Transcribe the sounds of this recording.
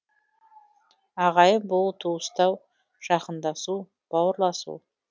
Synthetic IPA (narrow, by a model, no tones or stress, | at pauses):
ɑʁɑjəbʊlˠt̪ʰuwəst̪ɑw | ʒ̥ɑqənd̪ɑsu | b̥ɑwəɾlˠɑsṵ